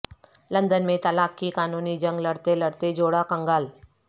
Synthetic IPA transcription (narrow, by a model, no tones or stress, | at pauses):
lɐ̃nd̪ənmẽt̪ɐlaːkkikaːnuːnid͡ʒɐ̃ŋɡlɐɽt̪elɐɽt̪ed͡ʒoːɽakɐ̃ŋɡal